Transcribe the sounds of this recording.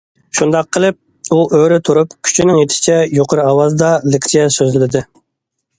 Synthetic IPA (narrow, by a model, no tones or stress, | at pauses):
ʃund̪ɑqʰːəlˠɪp̚ | uʔøɾɪt̪ʰuɾupkʲʰy̥t͡ʃʰinɪŋjet̪ʰɪ̥ʃɪ̥t͡ʃʰɛjoqʰəɾɨɑwɑzd̪ɑlɪkʲt͡ʃ̪ʰijɛsøzlɪlɪd̪ɪ